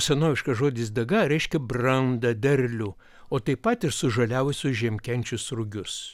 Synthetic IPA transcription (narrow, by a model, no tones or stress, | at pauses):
sʲɛnoːʋʲɪʃkɐʒoːd̪ʲɪs̬d̪ɐɡɐɾʲɛɪʃʲkʲɛbrɐnd̪ɐd̪ʲɛrʲlʲʊ | oːt̪ɐɪpɐt̪ɪɾsʊʒɐlʲæːʋʊsʲʊʒʲɛmʲkʲɛnʲt͡ʃʲʊsɾʊɡʲʊs